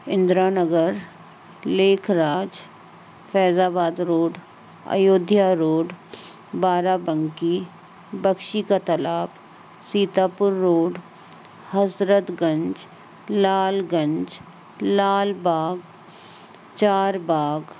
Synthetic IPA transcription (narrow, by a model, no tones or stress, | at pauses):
ɪ̃nd̪ɾaːnəɡəɾ | leːkʰɾaːd͡ʒ | fɛːzaːbaːd̪ɾoːɖ | ɐ̰joːd̪ʱjaɾoːɖ | baːɾabə̃ŋki | bəkʃikat̪ɐlaːp | siːt̪aːpʊɾːoːɖ | hɐsɾət̪ɡə̃ɲd͡ʒ | laːlɡə̃ɲd͡ʒ | laːlbaːɡ | t͡ʃaːɾbaːɡ